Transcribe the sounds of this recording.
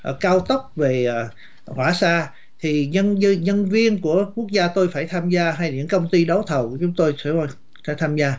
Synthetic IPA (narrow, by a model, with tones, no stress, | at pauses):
ʔə˨˩kaː˧wt̪ə˦˥p̚ve˨˩ʔː | hwaː˧˩saː˧ | t̪ʰi˨˩ə˧n˧ɲə˧nvi˧ənku˧˩əku˦˥ək̚zaː˧t̪o˧jfaː˧˩jt̪ʰaː˧mzaː˧ɦa˧jɲɨ̰˧˥ŋkə˧wŋ͡mt̪i˧ɗə˨˦wt̪ʰə˨˩wku˧˩ət͡ɕʊ˨˦ŋ͡mt̪o˧jsɛ˧˥˦ | fa˧˩t̪ʰaː˧mzaː˧